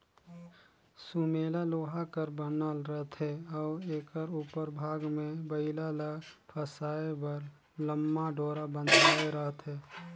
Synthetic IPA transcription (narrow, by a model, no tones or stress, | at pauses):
sumeːlaloːɦakəɾbənəlɾət̪ɦɛɔːɾeːkəɾupəɾbʱaːɡmẽbəɪlaləpʰəsaːebəɾ | ləmːaɖoːɾabə̃nd̪aːeɾəɦt̪ɦɛː